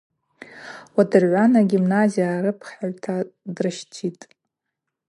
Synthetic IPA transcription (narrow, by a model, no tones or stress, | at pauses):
wadɨrʕʷanaɡʲimnaziaɾɨpʰχaɥtʰadrɨʃtʰitʼ